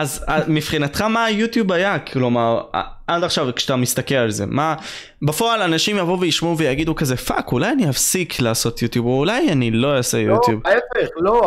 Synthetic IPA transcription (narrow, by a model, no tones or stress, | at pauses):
azamifχinat̪χamaːjut̪jubajaklo̞maʁa̰ʔad̪aχʃavkʃt̪amist̪akelalze̞̰ma | bafo̞alanaʃimjavouvejiʃmuvejaɡid̪ukazefa̰kulajanihafsikʰlaːso̞t̪jut̪jubulajanilo̞osejut̪jubefeχlo